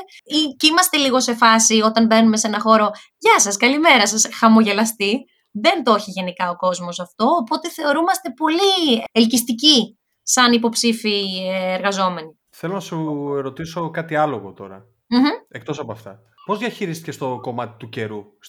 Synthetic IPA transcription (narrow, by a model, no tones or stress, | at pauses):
icimɐst̪e̞liɣo̞se̞fɐsio̞t̪ɐnbe̞ɾnume̞senɐxo̞ɾo̞ | ʝɐsɐskɐlime̞ɾɐsɐsxɐmo̞ʝe̞lɐst̪i | ðe̞nt̪o̞çiʝe̞nikɐoko̞zmo̞sɐft̪o̞ːpo̞t̪e̞θe̞o̞ɾumɐst̪e̞po̞lielcist̪ici | sɐnipo̞psifieɾɣɐzo̞me̞ni | θelonɐsueɾo̞t̪iso̞kɐt̪iɐlo̞ɣo̰t̪o̞̰ɾɐ̰ | m̩çm̩e̞k̚t̪o̞sɐpoɐft̪ɐ̰ | pozðjɐçiɾist̪icest̪o̞ko̞mɐt̪i̥t̪uce̞ɾu